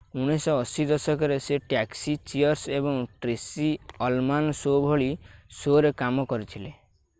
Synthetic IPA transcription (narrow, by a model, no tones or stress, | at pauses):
uɽ̃esɔɔsid̪ɔsɔkɔɾeseʈaksit͡ʃiɔɾsebɔŋʈɾesiɔlmansobʱɔɭisoɾekamɔkɔɾit̪ʰile